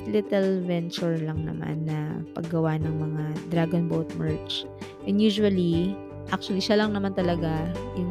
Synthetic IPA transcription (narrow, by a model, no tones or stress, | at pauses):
lɪt̪ɛlvɛnt͡ʃʊɹlɐŋnɐ̰ma̰nːɐpɐ̰ɡːɐwanɐŋmɐŋad̪ɾaɡonbowt̪̚mɛɹt͡ʃ | ʔɛnd̪juːʃʊwɐli | ʔak̚t͡ʃʊwɐliʃalɐŋnɐmant̪ɐlɐɡajʊŋ